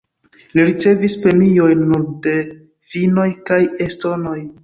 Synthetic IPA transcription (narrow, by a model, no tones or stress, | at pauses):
liɾit͡se̞vispɾe̞mio̞jnːuɾde̞ | fino̞jkajesto̞no̞j